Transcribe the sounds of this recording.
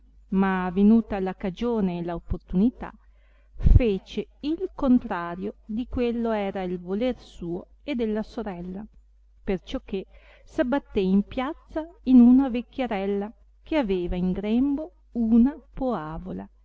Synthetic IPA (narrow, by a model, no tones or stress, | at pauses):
mavenuːt̪alakad͡ʒoːneːlaopːort̪unit̪a̰ | feːt͡ʃeilkont̪ɾaːɾjod̪ikwelːoɛːɾailvolersuːo | ed̪ːelːasoɾɛlːa | pert͡ʃɔkːesabːat̪ːeimpjat̪sːainunavekʲːjeɾɛlːa | keaveːvaiŋɡɾɛmbo | unapoaːvola̰